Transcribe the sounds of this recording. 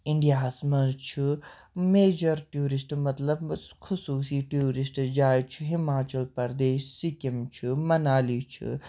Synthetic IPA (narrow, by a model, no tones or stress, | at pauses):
ɪ̃ɳɖijaːsmɐ̃zt͡ʃʰɨ | meːd͡ʒɐɾʈjuːɾɪsʈmɐt̪lɐbxʊsuːsiʈjuːɾɪsʈd͡ʒaːjt͡ʃʰiɦɪmaːt͡ʃɐlpɐɾd̪eːʃsikimt͡ʃʰimɐnaːlit͡ʃʰḭ